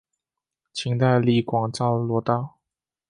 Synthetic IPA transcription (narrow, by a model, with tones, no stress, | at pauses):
t͡ɕʰi˧˥ŋt̪a˥˧ɪli˧˥˩kwɑ˨˩ŋʈ͡ʂɑ˥˩ʊlwɔ˧˥t̪ɑ˥˩ʊ